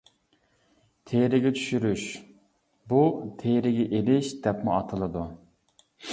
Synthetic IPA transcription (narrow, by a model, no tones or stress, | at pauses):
t̪ʰeɾɪɡʲɛt͡ʃʰyʃyɾyʃ | but̪ʰeɾɪɡʲɛʔelɪʃd̪ɛpmɪɑt̪ʰɨlˠɨd̪u